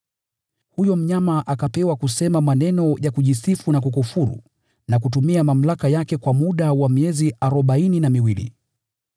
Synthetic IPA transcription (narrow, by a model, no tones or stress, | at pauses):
hujɔm̩ɲamaʔakapɛwakusɛmamanɛnɔjakuʄisifunak̬ukufuɾṵ | nakut̬umiamam̩lakajakɛkwamuɗawamiɛziʔaɾɔɓaininamiwilḭ